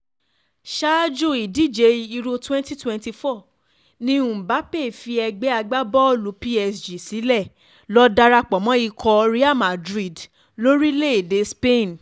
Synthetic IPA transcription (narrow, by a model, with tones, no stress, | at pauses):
ʃa˦d͡ʒo˦˨i˨di˦˨d͡ʒe˧i˧ɾo˧twɛ̃˦nti˦twɛ̃˧nti˧fɔ˦˨ | nĩ˧˦ũ˨ba˨˦pe˦˨fi˧ɛ˧ɡ͡bɛ˦a˧ɡ͡ba˦bɔ˦˨lu˨˦pi˦ɛ˧sd͡ʒi˨si˨˦lɛ˦˨ | lɔ˦da˧ɾa˧k͡pɔ˨mɔ̃˨˦i˧kʰɔ˧ɾi˦a˦˨ma˨dɾi˦˨d | lo˦ɾi˦le˦˨de˨˦spe˦˨n